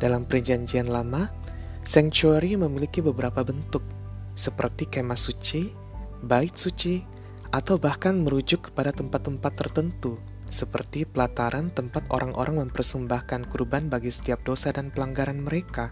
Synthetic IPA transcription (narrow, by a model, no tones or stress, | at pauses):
d̥alampərd͡ʒaɲd͡ʒianlama | sɛŋt͡ʃuaɾiməmilikibəbəɾapabənt̪ʊk̚ | səpərt̪ikemasut͡ʃi | baɪt̪̚sut͡ʃi | ʔat̪awbahkanməɾud͡ʒʊkːə̥padat̪əmpat̪ːəmpat̪ːərt̪ənt̪u | səpə̰rt̪ipəlat̪aɾant̪əmpat̪o̰ɾʔaŋʔo̰ɾʔaŋməmpərsəmbahkankurbanbaɡisə̥t̪iap̚dosadanpəlaŋɡaɾanməɾeka